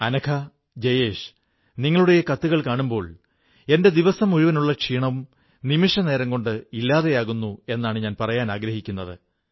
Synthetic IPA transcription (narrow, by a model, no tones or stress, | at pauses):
ɐnɐkʰɐ | d͡ʑejeːʂ | niŋːɐɭuɽe̞jekɐt̪ːuɣɐɭkaːɳumbo̞ːɭ | e̞nde̞d̪iʋɐsɐmuɻiʋɐnuɭːɐkʂiːɳɐʋum | nimiʂɐne̞ːɾɐŋɡo̞ɳɖɨilːaːðe̞jaːɣunːue̞nːaːɳɨɲaːnpɐrɐjaːnaːɡɾɐhikʲːunːɐðɨ̰